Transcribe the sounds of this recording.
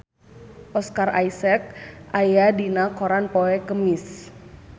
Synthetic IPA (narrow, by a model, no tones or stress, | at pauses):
ʔɔskarajsɛk̚ajadinakoɾanpɔɛkəmis